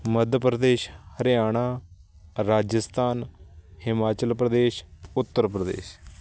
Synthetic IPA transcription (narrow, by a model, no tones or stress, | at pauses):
məd̪ʱpɾəd̪eːʃhəɾɪjaːɳ̃aː | ɾaːd͡ʒəst̪aːnhɪmaːt͡ʃəlpɾəd̪eːʃʊt̪ːəɾpɾəd̪ḛːʃ